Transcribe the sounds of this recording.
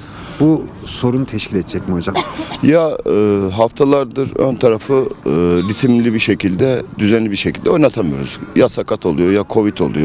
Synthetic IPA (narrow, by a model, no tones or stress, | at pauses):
bu | so̞ɾunt̪ʰɛʃkcilʲɛt̪d͡ʒɛcmiod͡ʒamjaɯːɦaft̪ʰalˠaɾd̪ɯɾø̰nt̪ʰaɾafɯɾit̪ʰimlʲibiʃe̞cʰilʲd̪ɛd̪yzænlʲibiɾʃecʰilʲd̪ɛonat̪ʰamɯjoɾṵz̥jasakʰat̪ʰo̞lˠujo̞jakʰo̞vit̪ʰo̞̰lˠṵjo